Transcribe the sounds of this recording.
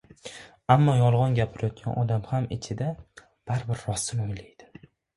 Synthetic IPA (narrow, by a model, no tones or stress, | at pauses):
amːɒjɒlˠʁɒnɡʲapʰɪɾajɒt̪̚ɡʲʰa̰nɒd̪amhamɪ̰t͡ʃʰɪd̪a | b̥aɾbɪɾːɒsɪmojlajd̪̥ɪ̥